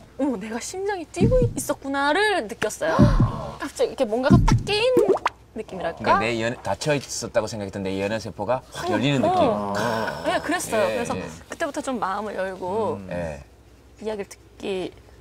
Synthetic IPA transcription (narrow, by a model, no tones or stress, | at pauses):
one̞ɡaɕʰimd͡ʑʌŋit͈wiɡois͈ʌt̚k͈unaɾɯɭnɯk͈jʌs͈ʌjokap̚t͡ɕ͈aiikʰe̞mwʌnɡaɡat͈ak̚k͈einː | ɯk͈imiɾaɭkk͈aneentat͡ɕʰʌis͈ʌt̚t͈aɡosʰe̞ŋɡakʰet͈ʰːeneijenʌnsʰepʰoɡajʌʎːinɯnːɯkkim | je̞kɯɾe̞s͈ʌjokɯɾe̞sʰʌkɯ̥t͈e̞butʰʌt͡ɕomːaɯmɯɾjʌɭɡoje̞̰ | ijaɡiɭt͈ʰɯ̥k͈i